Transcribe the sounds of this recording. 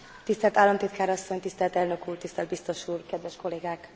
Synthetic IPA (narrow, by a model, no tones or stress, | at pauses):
t̪ist̪ɛlt̪aːlːɒmt̪it̪kaːɾɒsːo̞ɲt̪ist̪ɛlt̪ɛlnø̞kuːrt̪ist̪ɛld̪̚bist̪o̞ʃuːrkɛd̪ʋɛʃko̞leːɡaːk